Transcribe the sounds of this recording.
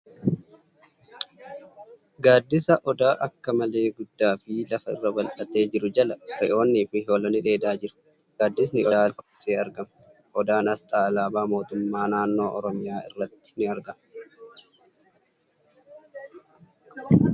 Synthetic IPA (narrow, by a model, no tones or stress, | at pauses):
ɡaːd̪ːɪsɐʔɔd̪aːʔɐkːɐmɐle̞ːɡʊd̪ːaːfɪlɐfɐɪ̰rːɐbɐlʔɐt̪e̞ːd͡ʒɪɾʊd͡ʒɐlɐɾɛ̰ʔo̞ːnːiːfɪɦo̞ːlɐnɪᶑe̞ːd̪aːd͡ʒɪɾʊ̥ | ɡ̥aːd̪ːɪs̬nɪʔɔaːfɐ̥seːɐɾɡɐm | ʔɔd̪aːnɐst̪ʼaːlaːbaːmo̞ːt̪ʊmːaːnaːnːo̞ːʔɔɾɔmɪjaːɪrːɐt̪ːɪ̥nɪɐɾɡɐm